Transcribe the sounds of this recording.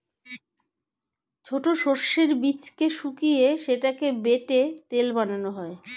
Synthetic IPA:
t͡ɕʰoʈoʃoɾʃeɾbit͡ɕkeʃukijeʃeʈakebeʈet̪elbananoɦɔe

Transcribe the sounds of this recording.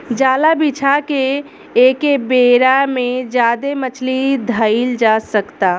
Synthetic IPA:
d͡ʒaːlabit͡ʃʰake | eːkebeːɾamẽd͡ʒjaːd̪emət͡ʃʰlid̪ʱəɪld͡ʒaːsəkt̪aː

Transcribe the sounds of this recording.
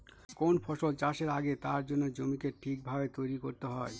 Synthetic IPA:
konfʰɔʃolt͡ɕaʃeɾaɡet̪aɾd͡ʑonːod͡ʑomikeʈʰik̚bʱabet̪ojɾikoɾt̪eɦɔe

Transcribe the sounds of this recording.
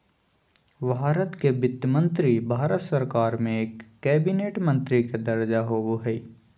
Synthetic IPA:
bʱaːɾət̪kebɪt̪jəmə̃nt̪ɾibʱaːɾət̪sɐɾkaːɾmẽeːkːɛːbineːʈmɐ̃nt̪ɾiked̪ɐɾd͡ʒaɦoːboɦɛi

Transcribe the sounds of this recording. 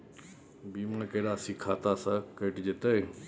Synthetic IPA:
bimakəɽaəsikʰat̪asakəʈd͡ʑet̪əj

